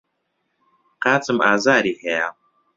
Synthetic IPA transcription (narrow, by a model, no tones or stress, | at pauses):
qaːt͡sʼɨmaːzaːɾiheja